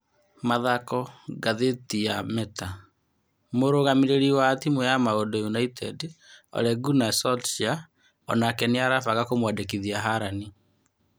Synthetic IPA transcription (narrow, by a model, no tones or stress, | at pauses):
maðakɔɡaðetijamɛta | moɾoɣamiɾeɾiwatimwɛjamaodojunaitɛdɔ̰ɾɛɡunasɔʃia | ɔ̰nakɛneaɾafaɣakomwadekiðiaɦaɾani